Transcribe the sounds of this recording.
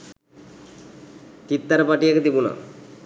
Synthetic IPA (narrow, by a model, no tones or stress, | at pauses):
t͡ʃit̪ːaɾpaʈijeked̪ibuna̰